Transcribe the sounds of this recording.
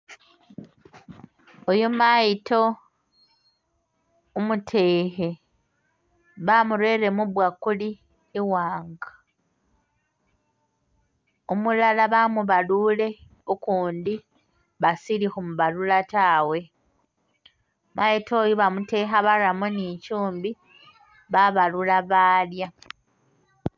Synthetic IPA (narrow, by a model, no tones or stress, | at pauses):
ojomajito̞ | umutʰe̞ːhe | βamuɾwe̞ɾe̞muβwakuliː | waːŋɡa | omulalaβamuβaluːle̞ | okuːndi | βasilixumuβalulataːwe̞ | majetʰo̞ːjiβamute̞ːxaβaɾamunicuːmbi | βaβalulaβaːlja